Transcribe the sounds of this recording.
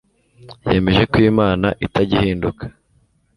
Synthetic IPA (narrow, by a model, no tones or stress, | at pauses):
je̞ːme̞ʒe̞kwiːmaːnaʔitaɟihiːndukʰḁ